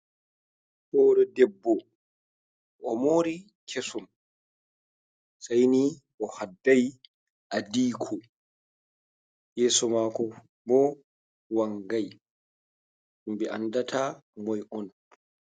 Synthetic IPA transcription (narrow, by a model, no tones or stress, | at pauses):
hɔːɾɔdɛbːɔ | ʔɔmoːɾi | kʰesum | sajni | ʔɔhadːaj | ʔadiːkʰɔ | jɛːsɔmaːkɔ | bɔ | waŋɡaj | sumbɛʔa̰ndatʰamɔjʔɔn